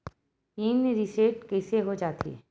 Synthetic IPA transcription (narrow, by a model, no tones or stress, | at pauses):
iːnɾiseːʈkɛːseɦod͡ʒaːt̪ʰḭ